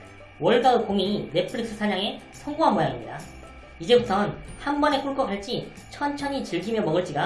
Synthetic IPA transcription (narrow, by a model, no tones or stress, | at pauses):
wʌɭɡaɯkoŋine̞pʰɯɾiks͈ʰɯsʰaɲaŋe̞ | sʰʌŋɡoɦanmʌjaŋimɲida | id͡ʑe̞butʰʌnhanbʌne̞k͈uɭk͈ʌkaɭt͡ɕ͈i | t͡ɕʰʌnt͡ɕʰʌɲit͡ɕiɭɡimjʌmʌɡɯɭt͡ɕ͈iɡa